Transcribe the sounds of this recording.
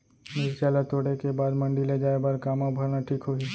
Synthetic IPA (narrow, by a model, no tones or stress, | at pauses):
mɪɾt͡ʃaːlat̪oːɽekebaːd̪mɐ̃ɳɖiled͡ʒaːebɐɾkaːmãbʱɐɾnaʈʰiːkɦoi